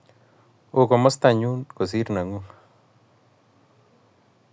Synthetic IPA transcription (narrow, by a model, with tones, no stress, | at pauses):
o˨ko˨mɔ˦st̪a˨ɲu˦nko˨s̬i˦ɾna˨ŋu˦ŋ